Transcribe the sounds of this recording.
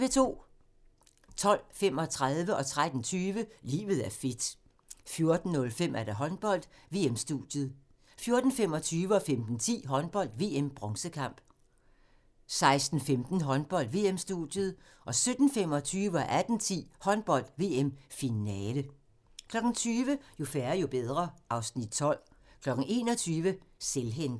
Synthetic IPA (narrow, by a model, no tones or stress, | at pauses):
ʋe̝t͡sʰo̝̰ː | t͡sʰɒ̽l̰fem̰ɒ̽t͡sʰʁaðˠʋəʔɒ̽t͡sʰʁad̥n̩t͡sʰyːʋəlḭːʋð̞̩ˠæɐfe̝d̥ | fjo̝ɐd̥n̩nɔ̽lfem̰ʔæɐɾ̥æɦɒ̽nb̥ɒ̽l̰d̥ | ʋe̝̰ːemsd̥ud̥jəð̩ˠ | fjo̝ɐd̥n̩fem̰ɒ̽t͡sʰyːʋəɒ̽femd̥n̩t͡sʰḭːɦɒ̽nb̥ɒ̽l̰d̥ʋe̝ːemb̥ʁɒ̽ŋsəkʰɑ̈m̰b̥ | sɑ̈ɪsd̥n̩femd̥n̩ɦɒ̽nb̥ɒ̽l̰d̥ʋe̝̰ːemsd̥ṵd̥jəðˠ | ʔɒ̽sød̥n̩fem̰ɒ̽t͡sʰyːʋəɒʔæd̥n̩t͡sʰḭːhɒ̽nb̥ɒ̽l̰d̥ʋe̝ːemfinɛːlə | kʰlɒ̽ɡ̥n̩t͡sʰyːʋəjo̝fæɐɐjo̝b̥eð̞ˠʁɐʔɑ̈ʊsnid̥̚t͡sʰɒ̽l̰kʰlɒ̽ɡ̥n̩e̝̰ːnɒ̽t͡sʰyːʋəselɦen̰d̥